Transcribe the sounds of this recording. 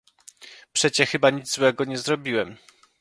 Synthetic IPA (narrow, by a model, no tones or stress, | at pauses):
pʂɛt͡ɕɛxɘbaɲid̪zwɛɡɔɲɛzɾɔbʲiwɛm